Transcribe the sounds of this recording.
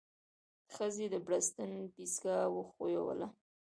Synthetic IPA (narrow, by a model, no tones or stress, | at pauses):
d̪̥əxəzed̪əbɽast̪ənbizɡɑwəxojawə̰la